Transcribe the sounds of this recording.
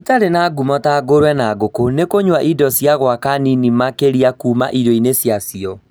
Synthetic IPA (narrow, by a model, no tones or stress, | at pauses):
itaɾenaɡumɔtaɡoɾwɛnaɡokonekoɲwaʔidɔsjaɣwakaninimakeɾiakuːma̰ʔidɔinesjasiɔ